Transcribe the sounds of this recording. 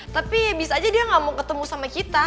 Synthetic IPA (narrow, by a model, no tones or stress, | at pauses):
t̪apibisaːd͡ʒadiaŋamokət̪əmusamakit̪a